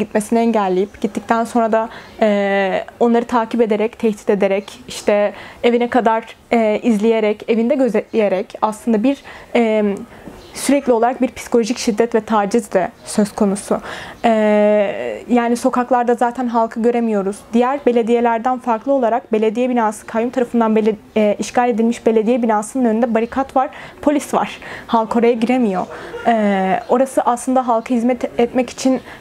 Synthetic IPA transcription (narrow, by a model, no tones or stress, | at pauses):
ɟit̪mesiniɛɲɟælʲːijipɟit̪ːic̚t̪ʰænso̞nɾad̪aɛːo̞nlˠaɾɯt̪ʰaːcʰipe̞d̪e̞ɾɛct̪ʰɛçt̪ʰi̥t̪e̞d̪eɾɛciʃt̪ʰɛevinɛkʰad̪aɾɛːizlʲijeɾɛce̞vind̪ɛɟø̞zɛt̪lʲije̞ɾɛcaslˠɯnd̪abiɾɛː | syɾɛclʲio̞lˠaɾak̚biɾpʰi̥si̥ko̞lʲoʒicʃid̪ːɛt̪vɛt̪ʰaːd͡ʒizd̪ɛsø̞zkʰo̞nusʊɛ | jaːniso̞kaklˠaɾd̪azaːt̪ʰænɦalˠkʰɯɟø̞ɾemijo̞ɾuzd̪ijæɾbe̞lʲe̞d̪ije̞lʲæɾd̪ænfaɾklˠɯo̞lˠaɾak̚be̞lʲe̞d̪ijɛbinaːsɯ̥kʰajumt̪ʰaɾafɯnd̪anblː | iʃcalʲe̞d̪ilʲmiʃbe̞lʲed̪ijɛbinaːsɯnɯnø̞nynd̪ɛbaɾikʰat̪vaɾ̥pʰo̞lʲisva̰ɾ̥halˠkʰo̞ɾajaɟiɾemijo̞ɛːo̞ɾasɯʔaslˠɯnd̪aɦalˠkʰɯhizmɛt̪ɛt̪mɛci̥t͡ʃʰin